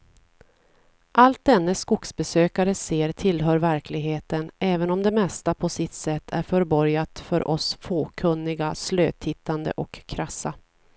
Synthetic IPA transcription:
ʔalt̪̚d̪ɛnːəskʊksbɛsøːkaɾəseːɾt̪ʰɪlɦœːɾvæɾkʰlɪɡɦeːt̪ənʔɛːvənɔmd̪ɛmɛst̪apʰɔsɪt̪sɛt̪ːʰæ̰ɾfœɾbɔɾjat̪fœɾʔɔsfoːkʰɵnːɪɡasløːt̪ʰhɪt̪ʰːand̪ə̰ʔɔkʰːɾasːa

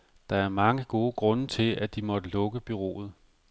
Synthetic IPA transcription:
d̥ɑ̈æɐmɑ̈ŋəɡ̥o̝ːəɡ̥ʁɔ̽nət͡sʰe̝lʔæd̥imɒ̽d̥əlɔ̽ɡ̥əb̥yʁo̝̰ːð̞̩ˠ

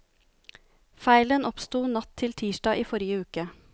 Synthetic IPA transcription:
fæɪlənʔɔpst̪uːnɑt̪ʰɪlt̪ʰiːʃɖɑːʔiːfɔɾɪəʉːkə

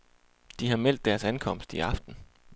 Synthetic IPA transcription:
d̥iɦɑ̈mel̰d̥ːæɐsænkʰɒ̽m̰sd̥iɑ̈fd̥n̩

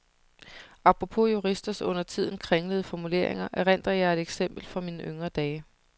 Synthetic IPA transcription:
ɑ̈pʁo̝pʰo̝juʁisd̥ɐsɔ̽n̰ɐt͡sʰið̞̰ˠn̩kʰʁaŋləðˠəfɒmule̝̰ɐ̰eŋɐʔæʁen̰d̥ɐjɑ̈ed̥eɡ̥sem̰b̥l̩fɒ̽miːnəʔøŋɐd̥ɛː

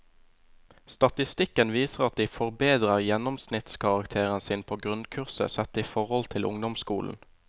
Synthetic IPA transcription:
st̪ɑt̪ɪst̪ɪkənʋiːsəʁɑt̪̚d̪iːfɔʁbeːd̪ʁəʁjɛnɔmsnɪt̪skʰɑʁɑkt̪ʰeːʁənsiːnpʰoːɡʁʉnkʰʉʁsə̰sɛt̪iːfɔʁhɔlt̪ʰɪlʔʊ̰ŋd̪ɔmskuːln̩

